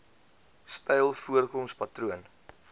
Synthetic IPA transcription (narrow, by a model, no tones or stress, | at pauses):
stɛjlˠfuərkɔmspɐtɾuən